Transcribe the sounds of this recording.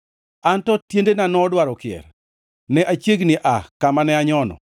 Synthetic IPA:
antɔtjendenanɔdwaɾɔkɪɛ̰r | nɛʔat͡ʃjeɡnɪʔakamanɛaɲɔnɔ̰

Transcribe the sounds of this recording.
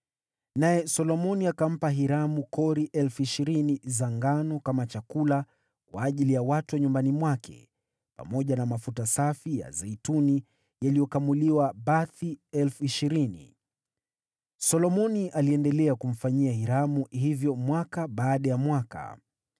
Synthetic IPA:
najɛsɔlɔmɔniakam̩paɦiɾamukɔɾiʔɛlfuiʃiɾinizaŋɡanɔkamat͡ʃakula | kwaːʄilijawatuaɲumbanimwakɛ̰ | pa̰mɔʄanamafutasafija̰zɛituni | jalijɔkamuliwabaθiɛlfuiʃiɾinḭ | sɔlɔmɔniʔaliɛndɛlɛakum̩faɲiahiɾamuɦivjɔmwakaɓaːɗajamwaka̰

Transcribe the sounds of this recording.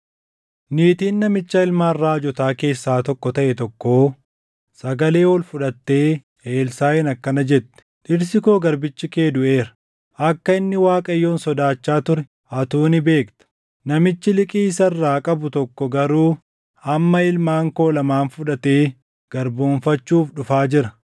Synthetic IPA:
niːt̪iːnːɐmɪt͡ʃːɐɪlmaːrːaːd͡ʒɔt̪aːke̞ːsːaːt̪ɔkːɔt̪ɐʔɛt̪ɔkːo̞ː | sɐɡɐle̞ːwɔlfʊᶑɐt̪ːe̞ː | eːlsaːɛnɐkːɐnɐd͡ʒɛt̪ːɛ̥ʔɪɾs̬ɪkoːɡɐɾbɪt͡ʃːɪke̞ːd̪ʊʔe̞ːɾɐ̥ | ʔɐkːɐɪnːɪwaːkʼɐjːo̞ːnsɔd̪aːt͡ʃːaːt̪ʊɾɛ̥ | ʔɐt̪uːnɪbe̞ːkt̪ɐ̥ | nɐmɪt͡ʃːɪlɪkʼiːsɐrːaːkʼɐbʊt̪ɔkːɔɡɐɾuː | hɐmːɐɪlmaːŋko̞ːlɐmaːnfʊᶑɐt̪e̞ː | ɡ̥ɐɾboːɱfɐt͡ʃːuːfᶑʊfaːd͡ʒɪɾɐ

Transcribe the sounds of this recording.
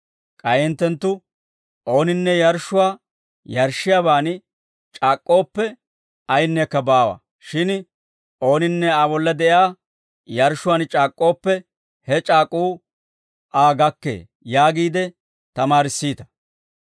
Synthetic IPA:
kʼɐjɪnt̪ːɛnt̪ːʊ | ʔo̞ːnɪnːɛjɐɾʃʊwaː | jɐɾʃɪjaːβaːn | t͡ʃʼaːkʼːo̞ːpːɛ | ɐjnːɛkːɐbaːwɐ̰ | ʃɪn | ʔo̞ːnɪnːɛaːbɔlːɐd̪ɛʔjaː | jɐɾʃʊwaːnt͡ʃʼaːkʼːo̞ːpːɛ | hɛt͡ʃʼaːkʼːuː | ʔaːɡɐkːe̞̰ː | jaːɡiːd̪ɛ | t̪ɐmaːɾɪsːiːt̪ɐ̥

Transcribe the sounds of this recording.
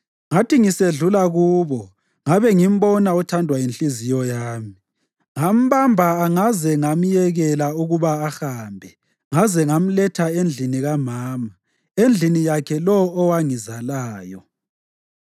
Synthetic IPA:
ŋatʰiŋiseɮulaɣuːβɔ | ŋaβɛŋim̩bɔnaɔtʰandʱwajinɬizijɔjaːmi | ŋam̩βambʱaaŋazɛŋam̩jɛɣɛlauɣuβaːxaːmbʱɛ | ŋazɛŋam̩lɛtʰaend͡ɮʱiniɣamaːma | end͡ɮʱinijakʰɛlɔːwaŋizalaːjɔ

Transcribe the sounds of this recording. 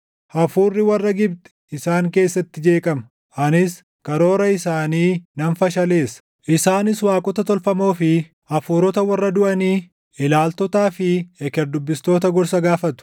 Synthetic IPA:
ʔɐfuːrːɪwɐrːɐɡɪbt̪ɛ̥ | ɪsaːŋke̞ːsːɐt̪ːɪd͡ʒe̞ːkʼɐmɐ | ʔɐnɪs | kɐɾo̞ːɾɐɪsaːniːnɐnfɐʃɐle̞ːsɐ̥ | ʔɪsaːnɪswaːkʼɔt̪ɐt̪ɔlfɐmo̞ːfɪ | ʔɐfuːɾɔt̪ɐwɐrːɐd̪ʊʔɐniː | ʔɪlaːlt̪ɔt̪aːfɪɛkɛɾd̪ʊbːɪst̪o̞ːt̪ɐɡɔɾsɐɡaːfɐt̪ʊ̥

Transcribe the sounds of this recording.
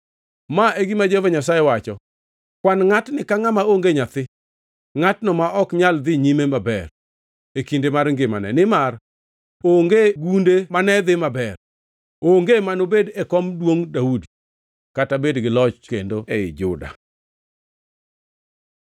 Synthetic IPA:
maeɡimad͡ʒevaɲasajewat͡ʃɔ | kwanŋatnɪkaŋamaoŋɡeɲat̪ɪ | ŋatnɔmaʔɔkɲald̪ɪɲimemabɛr | ekindemarŋɡɪmanɛ̰nɪmar | oŋɡeɡundemanɛd̪ɪmabɛr | oŋɡemanobedɛkɔmdwoŋdaudi | katabedɡɪlɔt͡ʃkḛndoɛɪ̰d͡ʒʊ̰da̰

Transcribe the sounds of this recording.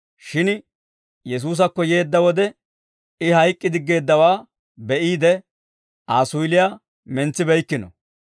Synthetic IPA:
ʃɪn | jɛs̬uːs̬ɐkːɔje̞ːd̪ːɐwɔd̪ɛ | ɪhɐjkʼːɪd̪ɪɡːe̞ːd̪ːɐwaː | bɛʔiːd̪ɛ | ʔaːsʊjɪlɪja | mɛnt͡sːɪbɛjkːɪnɔ̰

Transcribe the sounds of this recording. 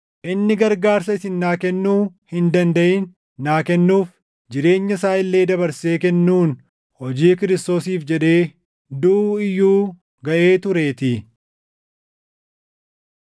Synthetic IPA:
ʔɪnːɪɡɐɾɡaːɾsɐɪsɪnːaːkɛnːuːhɪnd̪ɐnd̪ɐʔɪːnː | aːkɛnːuːf | d͡ʒɪɾe̞ːɲːɐsaːɪlːe̞ːd̪ɐβɐɾse̞ːkɛnːuːn | hɔd͡ʒiːkɪɾɪst̪o̞ːsiːfd͡ʒɛᶑe̞ː | d̪uɪjːuː | ɡɐʔe̞ːt̪ʊɾe̞ːt̪ɪ

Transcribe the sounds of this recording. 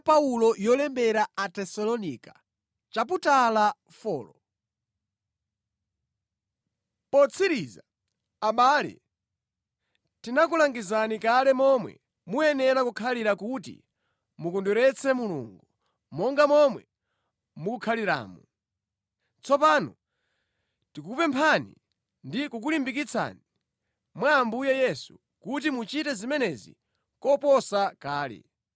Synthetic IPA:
paulɔjɔlɛmbɛɾaatɛsɔlɔnika | t͡ʃap̬utala | fɔːlɔ | pɔt͡sʰiɾiːza | aɓaːlɛ̰ | tinakulaŋɡizanikalɛmɔmwɛ̰ | muɛnɛɾakukʰaliɾakutḭ | mukɔnduɾɛt͡sʰɛmulṵːŋɡu | mɔŋɡamɔmwɛ̰ | mukukʰaliɾa̰ːmu | t͡sɔpanɔ | tikupɛmpʰanḭ | ndikuk̬ulimbikit͡sʰa̰ni | mwaːmbujɛjɛsu̥ | kut̬imut͡ʃitɛzimɛnɛzḭ | kɔpɔsakaːlɛ̰

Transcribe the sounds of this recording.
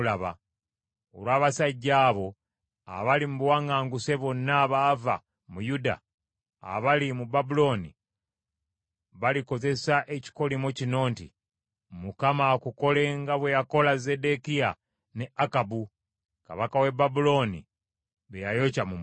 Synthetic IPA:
laβa̰ | oɾwaːβasaɟːaːβo̞ | a̰βalimuβwaŋaːŋɡuse̞βonːaβava̰ | mujuda̰ː | βalimubabulo̞ːnḭ | βaliko̞ze̞saʔeci̥ko̞limocino̞ːntḭ | mukamakuko̞le̞ŋɡaβwe̞jako̞laze̞de̞kija | neakabu | ka̰βakawe̞babulo̞nḭ | βejajo̞camum

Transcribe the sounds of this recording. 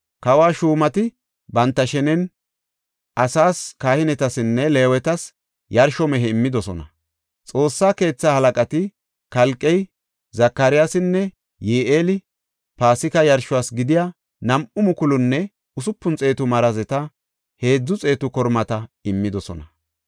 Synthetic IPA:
kɐwaːʃuːmɐt̪ɪ | bɐnt̪ːɐʃɛnɛn | ʔɐsaːskaːhɪnɛt̪ɐsɪnːɛle̞ːwɛt̪ɐs | jɐɾʃɔmɛɦɛɪmːɪd̪ɔsɔnɐ̰ | t͡sʼo̞ːsːaːke̞ːt͡sːaːhɐlɐkʼɐt̪ɪ | kɐlkʼːɛj | zɐkːɐɾɪjasɪnːɛ | jeːʔeːlɪ | paːsɪkɐjɐɾʃʊwaːsɡɪd̪ɪja | nɐmʔʊmʊkʊlʊnːɛ | ʊsʊpːʊnt͡sʼe̞ːt̪ʊmɐɾɐzɛt̪ɐ | he̞ːd͡zːʊt͡sʼe̞ːt̪ʊkɔɾmɐt̪ɐɪmːɪd̪ɔsɔnɐ

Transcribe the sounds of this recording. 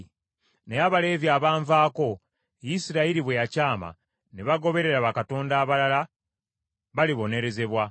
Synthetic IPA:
neaβale̞ːvjaːβaːɱvaːko̞ | jisiɾaiɾiβwejacaːma̰ | neβaɡo̞βe̞ɾe̞ɾaβakato̞ːndaːβalala | βaliβo̞ne̞ɾe̞ze̞βwa

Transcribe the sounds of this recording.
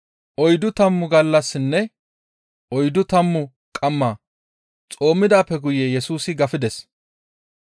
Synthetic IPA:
ʔɔjd̪ʊt̪ɐmːʊɡɐlːɐsːɪnːɛ | ʔɔjd̪ʊt̪ɐmːʊ | kʼɐmːaː | t͡sʼo̞ːmːɪd̪aːpːɛɡʊjejɛsuːsɪɡɐfɪd̪ɛs

